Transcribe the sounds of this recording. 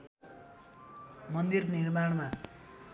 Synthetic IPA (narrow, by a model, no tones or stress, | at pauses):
mʌnd̪irnirmaɽma